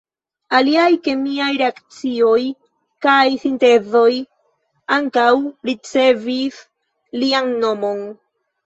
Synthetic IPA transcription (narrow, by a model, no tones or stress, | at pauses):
aliajke̞miajɾe̞akt͡sio̞j | kajsinte̞zo̞j | aŋkawɾit͡se̞vis | lianːo̞mo̞n